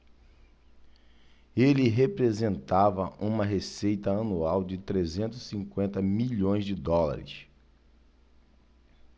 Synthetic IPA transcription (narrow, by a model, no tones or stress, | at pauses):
elɪɦepɾezẽnt̪avɐʔũmɐɦesejt̪ɐɐnuawd͡ʒɪt̪ɾezẽnt̪ʊzsĩŋkwẽnt̪ɐmiʎõj̃zd͡ʒɪd̪ɔla̰ɾɪ̰s